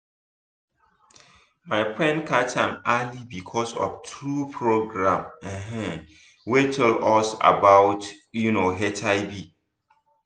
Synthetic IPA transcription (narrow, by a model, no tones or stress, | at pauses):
maɪfɹɛ̃ndkʰatãmalibikʰɔsɔ̰ftʰɹupʰɹoɡɹãmɛ̃ɦɛ̃ | wetʰɛlɔsa̰baʊt | junoɦɛtʰaɪbi